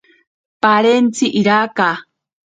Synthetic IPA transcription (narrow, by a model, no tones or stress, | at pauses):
paɾent͡siʔiɾaka